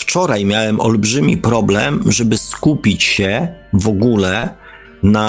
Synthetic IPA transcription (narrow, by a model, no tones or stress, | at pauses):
ft͡ʂɔɾajmʲjawɛmʔɔ̰lbʐɘmʲḭpɾɔblɛ̰mʐɛbɘskupʲit͡ɕɕɛvɔɡulɛ | na